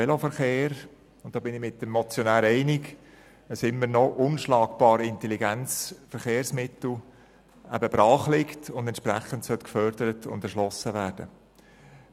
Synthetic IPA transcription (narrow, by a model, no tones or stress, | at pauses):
ɛlofəɾχeːɾ | ʊntd̥ɑːbɪnɪmɪt̚d̥ɛmːɔt͡sjɔnæːɾɛɪnɪk | əsɪmːəɾnɔʔʊnʃlɑːkb̥ɑːɾɪntɛliɡɛnt͡sfəɾχeːɾsmɪtl̩ | æ̰bəbɾɑːχlɪktʊndɛnt͡ʃʃpɾæχəntsœtkfœɾdəɾətʊ̰ndɛɾʃlɔsəʋæːɾd̥ə